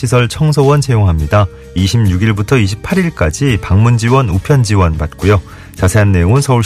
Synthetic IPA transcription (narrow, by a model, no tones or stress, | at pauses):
isʰʌɭt͡ɕʰʌŋsʰowʌnt͡ɕʰejoŋɦamɲida | iɕʰimɲuɡiɭbutʰʌiɕʰi̥pʰaɾiɭk͈ad͡ʑipaŋmund͡ʑiwʌnupʰjʌnd͡ʑiwʌnbat̚k͈ujo | t͡ɕasʰe̞anːe̞joŋɯnsʰʌuɭ